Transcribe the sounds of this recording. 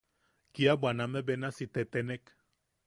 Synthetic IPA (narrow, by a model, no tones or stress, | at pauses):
kiabwanamebenasit̪et̪enek